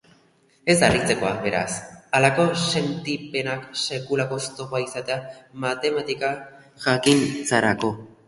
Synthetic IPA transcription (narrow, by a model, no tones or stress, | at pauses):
e̞zd̪arit͡se̞ko̞aβe̞ɾa̰salako̞se̞nt̪ipe̞nakse̞kulako̞st̪o̞paisat̪e̞amat̪e̞mat̪ika | ʝakint͡saɾako̞